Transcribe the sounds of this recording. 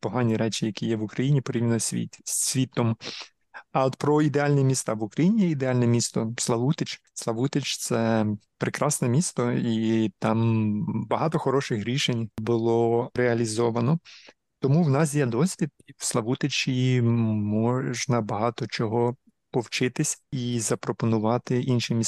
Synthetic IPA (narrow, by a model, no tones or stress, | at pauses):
pɔɦɑnʲiɾɛt͡ʃʲijɐkʲijɛʋʊkɾɐjinʲipɔɾʲibnɔisʲʋʲit̪ɔm | ɐɔt̪pɾɔid̪eɑlʲnɛmʲist̪ɑʋukɾɐjinʲijɛid̪eɑlʲnɛmʲist̪ɔslˠɐlˠut̪et͡ʃ | slˠɐʋut̪et͡ʃt̪sɛpɾekɾɑsnɛmʲist̪ɔit̪ɑmbɐɦɑt̪ɔxɔɾɔʃɪxɾʲiʃenʲbʊlˠɔɾeɐlʲizɔʋɐnɔ | t̪ɔmuwnɑs̬ʲjɛd̪ɔsʲʋʲit̪̚ʲiwslˠɐʋut̪et͡ʃʲimɔʒnɐbɐɦɑt̪ɔt͡ʃɔɦɔ | pɔwt͡ʃɪt̪ɪsʲizɐpɾɔpɔnʊʋɑt̪ɪʔinʃimʲis